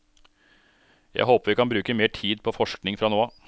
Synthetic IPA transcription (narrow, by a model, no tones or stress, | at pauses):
jæ̰ɪɦoːpəɾʋɪkɑnbɾʉːkəmeːʈʰiːd̪̚pʰɔfɔʂknɪŋfɾɑːnoːɑ